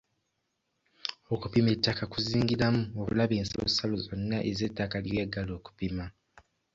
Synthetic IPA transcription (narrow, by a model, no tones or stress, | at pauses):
o̞kupime̞tːakakuziːŋɡiɾamuoβulaβeːnsilo̰salozonːaʔeze̞tːakalijweːɡːalo̞ːku̥pima